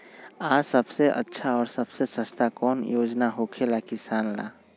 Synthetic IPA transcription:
aːsəbseʔə̰tːʃʰaɔːɾsɐb̥sesəst̪ʰakɔːnjoːd͡ʒnaɦokʰelakisaːnla̰ː

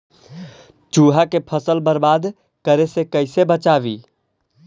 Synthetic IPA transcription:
t͡ʃuːɦakepʰəsəlbəɾbaːd̪ | kəɾesekəɪsebət͡ʃaːʋiː

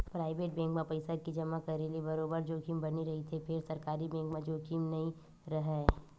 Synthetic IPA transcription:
pɾaːɪʋeːʈ̚bɛ̃ːŋkmẽpɐɪsakid͡ʒɐmakɐɾeliebɐɾoːbəɾd͡ʒoːkiːmbɐniɾɐɦit̪ʰepʰɪɾsɐɾkaːɾibɛ̃ːŋkmãd͡ʒoːkiːmnɐɦĩ | ɾɐɦɛ

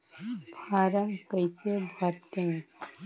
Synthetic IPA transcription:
pʰaːɾəmkəjsebʱəɾt̪e

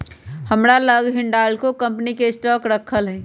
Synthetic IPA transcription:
həmɾaləɡɦɪɳɖaːlkokə̃mpnikesʈɔːkɾəkʰəlɦɛ̃ː

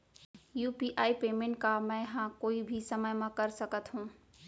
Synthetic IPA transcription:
juːpiʔaːipeːmẽɳʈkamə̃ɪɦãkoːibʱisəməjmẽkəɾsəkət̪ɦũ

